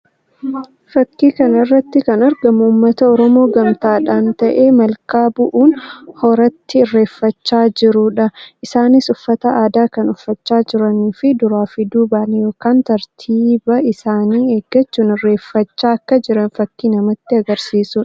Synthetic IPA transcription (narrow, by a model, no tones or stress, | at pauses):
fɐkːiːkɐnɐrːɐt̪ːɪkɐnɐɾɡɐmuːmːɐt̪ɐɔɾɔmo̞ːɡɐmt̪aːᶑaːnt̪ɐʔe̞ːmɐlkaːbʊʔuːnhɔɾɐt̪ːɪːrːe̞ːfːɐt͡ʃːaːd͡ʒɪɾʊᶑɐʔɪsaːnɪsʊfːɐt̪ɐaːd̪aːkɐnʊfːɐt͡ʃːaːd͡ʒɪɾɐniːfɪd̪ʊɾaːfɪd̪uːbanjo̞ːkaːnt̪ɐɾt̪ʰiːbɐɪsaːniːeːɡːɐt͡ʃːuːnɪrːe̞ːfːɐt͡ʃːaːɐkːɐd͡ʒɪɾɐnfɐkːiːnɐmɐt̪ːɪɐɡɐɾsiːsʊ